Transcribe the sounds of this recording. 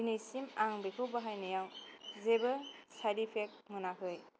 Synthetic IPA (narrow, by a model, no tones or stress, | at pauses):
inisimaŋbekʰɯbaɦajnajawzebɯsaɾipʰek̚mɯnakʰɯj